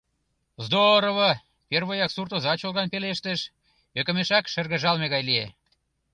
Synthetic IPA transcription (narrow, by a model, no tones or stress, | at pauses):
zd̪oɾoβo | perβojɑksurt̪ozɑt͡ɕolɣɑnpeleʃt̪ə̆ʃ | økə̆meʃɑkʃərɣə̆ʒɑlmeɣɑjlie